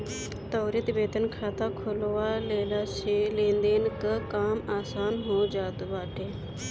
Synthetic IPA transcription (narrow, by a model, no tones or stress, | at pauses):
t̪ɐːɾit̪beːt̪ənkʰaːt̪akʰʊloʋaleːlaselẽːnd̪eːnɪkəkaːmaːsaːnɦoːd͡ʒaːt̪baːʈeː